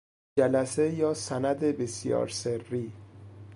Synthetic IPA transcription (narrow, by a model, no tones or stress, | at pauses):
d͡ʒælæsejɒːsænæd̪ebesjɒ̰ːɾserːiː